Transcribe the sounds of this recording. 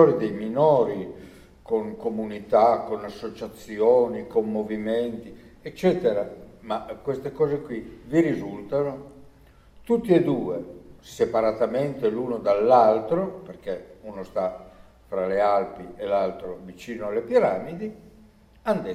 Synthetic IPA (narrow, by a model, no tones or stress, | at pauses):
ɔɾid̪ejminɔːɾi | koŋkomunit̪akonasːot͡ʃat̪sːjɔːnikomːoviment̪i | ɛt͡ʃːɛːt̪eɾamakwest̪ekɔːzekwiviɾizult̪ano | t̪ut̪ːied̪uːesepaɾat̪ament̪eluːnod̪alːalt̪ɾoperk̟eunost̪a | fɾalealpielalt̪ɾovit͡ʃiːnoalːepiɾaːmid̪i | and̪e